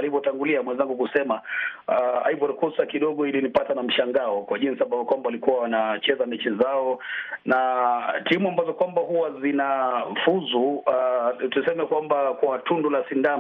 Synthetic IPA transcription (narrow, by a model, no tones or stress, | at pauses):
alivɔtaŋɡuliamwɛnzaŋɡukusɛma | aivɔɾkɔsakiɗɔɠɔilinipatanam̩ʃaŋɡaɔkwaʄinsiambavɔkwambawalikuwawanat͡ʃɛzamɛt͡ʃɛzaɔnatimuambazɔkwambahuwazinafuzu | tusɛmɛkwambakwatundɔlasinda